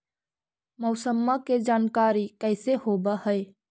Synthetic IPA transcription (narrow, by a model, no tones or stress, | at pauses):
məʊsəmːaked͡ʒaːnkaɾikəɪsehobəhəj